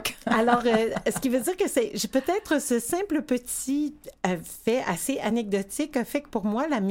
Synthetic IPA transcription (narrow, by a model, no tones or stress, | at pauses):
kalɔːʁøsə̥kʲivød̪iːʁkəsɛʒepøt̪ɛːt̪χəsəsɛ̃pləpət̪i | fɛaseʔanɛɡ̚d̪ɔt̪ɪkəfɛkə̥puʁmwalam